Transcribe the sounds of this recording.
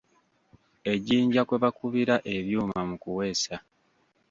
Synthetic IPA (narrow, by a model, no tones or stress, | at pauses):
e̞ɟiːɲɟakweβakuβiɾaʔe̞βjuːmamukuwe̞ːsa